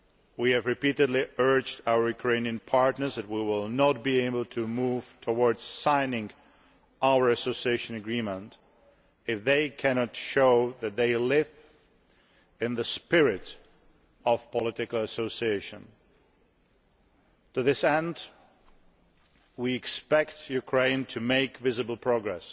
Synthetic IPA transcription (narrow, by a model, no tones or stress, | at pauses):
wiɨvɹɨpiɾɨdˡliɜ˞d͡ʒdaʊə˞jʉkʰɹ̥ẽɪniɨ̃npʰɑɹtnə˞zðɨt̚wiwɪlˠnət̚b̥ieɪbl̩ˠtʰɨmuv̥tʰəwɔɹdz̥sãɪ̃nɪ̃ŋ | ʔaʊə˞ɨsoʊsieɪʃɨ̃nɨɡɹĩmə̃nt | ɨfðeɪkʰæñɑtʃoʊðɨt̪̚ðeɪlɪv | ɨ̃nðɨspɪɹɪɾ | ʌv̥pʰəlɪɾɨkl̩ˠəsoʊsieɪʃɨ̰̃n | tɨðɪsɛ̃nd | wiɨkspɛktjʉkʰɹ̥ẽɪ̃ntʰɨmeɪkvɪzɨbl̩ˠpʰɹ̥ɔɡɹɛ̰s